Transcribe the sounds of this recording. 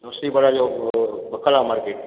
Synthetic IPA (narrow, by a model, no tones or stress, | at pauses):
osibɐɽad͡ʒoːbʱəkʰəlamaːɾkeːʈ̚